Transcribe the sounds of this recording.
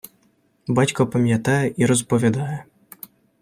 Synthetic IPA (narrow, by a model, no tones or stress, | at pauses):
bat͡ɕkɔpamʲjat̪ajɛʔiɾɔspɔvʲad̪ajɛ